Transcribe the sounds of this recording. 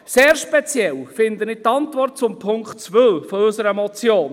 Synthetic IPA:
seːɾʃpɛt͡sjɛlfɪnd̪ənɪt̪ɑnt̪vɔrtt͡sʊmpʰʊŋktt͡sʋœlfɔʏsəɾəmɔt͡sjoːn

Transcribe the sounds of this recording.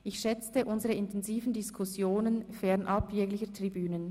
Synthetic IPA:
ʔɪçʃɛt͡stəʔʊnzəʁəɪntʰɛnziːvən̩dɪskʰʊsjoːnənfɛʁnʔɑpʰjɛːɡlɪçətʁ̥ibyːnən

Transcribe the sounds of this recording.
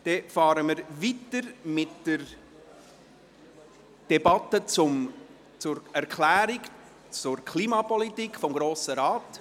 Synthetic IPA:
d̥ɛfɑːɾəməɾvitəɾmɪtd̥əɾ | d̥ɛbɑtːət͡sʊm | t͡sʊɾɛɾkʰlæːɾik | t͡sʊrkʰliːmɑpɔlitiːkfɔmɡɾoːsəɾɑːt

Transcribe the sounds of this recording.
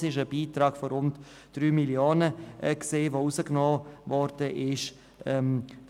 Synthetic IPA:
ɪʃəb̥iːtɾɑːɡ̥fɔɾʊnt | d̥ryːmiljoːnəʔkseːvousəknɔːvɔɾdəʔɪʃ | ɛm

